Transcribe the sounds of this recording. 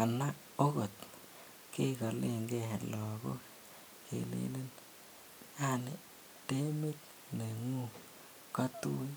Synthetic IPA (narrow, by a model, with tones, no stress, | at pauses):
a˨na˦ | o˦ko˨t | ke˦ka˨le˦˨ŋɡe˦˨lɔ˨ko˦ | kḛ˨lḛ˦le˦n | a˦ne˨ | te˦mi˦t̚ | ne˨ŋu˦˨ | ka˦tu˦